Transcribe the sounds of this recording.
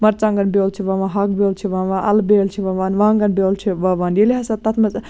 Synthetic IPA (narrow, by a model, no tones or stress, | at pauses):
mɐɾt͡ʃaŋɡɐnbelt͡ʃʰiʋɐʋaɦɐɡ̚belt͡ʃʰiʋaʋaʔɐlbeːlt͡ʃʰiʋɐʋaːnʋaŋɡɐnbelt͡ʃʰiʋɐʋaːnjeliɦɐsɐt̪ɐt̪ʰmɐt͡ʃ